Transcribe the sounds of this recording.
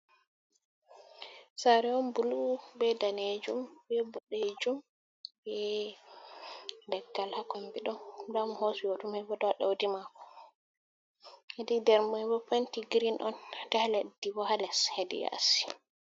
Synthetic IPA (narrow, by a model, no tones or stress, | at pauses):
saɾɛɔnbulubɛdaned͡ʒumbɛbuɗed͡ʒum | bɛ | dɛɡːalhakɔmbiɗɔndamhosujotumɛbɔdaɗa̰wdimakɔ̥ | hedidɛɾmɔɛbɔpantiɡɾinʔɔndɛhaledːibɔhalɛshedḭja̰si̥